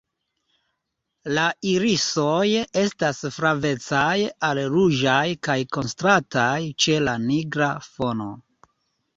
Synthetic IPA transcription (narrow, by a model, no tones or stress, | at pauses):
laiɾisoje̞stasfɾave̞t͡sajalɾuʒajkajko̞nstɾatajt͡ʃe̞laniɡɾafo̞no̞